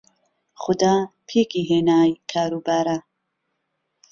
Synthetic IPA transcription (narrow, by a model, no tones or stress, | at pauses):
xʊd̪ɑːpʰeːkiːɦeːnaːjkʰaːɾuːbaːɾa